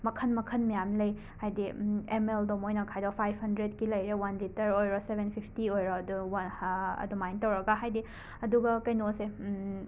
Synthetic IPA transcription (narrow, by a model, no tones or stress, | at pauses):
mɐkʰɐnmɐkʰɐnmɐjamlɐj | hajdiemeldomojnɐkʰajdopʰajbʱhɐndɾed̚kilɐjɾewɐnlitɐɾojɾɔsebʱenpʰipʰtiojɾɔduwɐ̰dumajntɐwɾɐɡaɦajdi | ɐduɡɐkɐjnose